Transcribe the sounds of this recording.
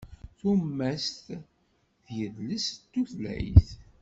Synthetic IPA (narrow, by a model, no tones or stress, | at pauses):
θumːæst̪ | θjəðləst̪ːuflæ̰jθ